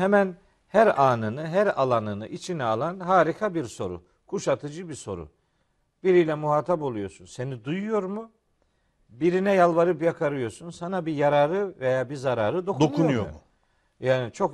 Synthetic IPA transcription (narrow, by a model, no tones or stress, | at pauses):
hɛmæn | hæɾaːnɯnɯɦæɾalˠanɯnɯ̰ʔit͡ʃʰinɛalˠanɦaːɾikʰabiɾso̞ɾṵ | kʰuʃat̪ʰɯd͡ʒɯbiso̞̰ɾṵ | b̥iɾijlʲɛmuɦaːt̪ʰapo̞lˠujo̞ɾsunse̞nid̪ujujo̞ɾmu | biɾinɛjalˠvaɾɯpjakʰaɾɯjo̞sunsanabijaɾaɾɯvejaːbizaɾaːɾɯd̪o̞kʰd̪okʰunujo̰u | jaːnit͡ʃʰo̞k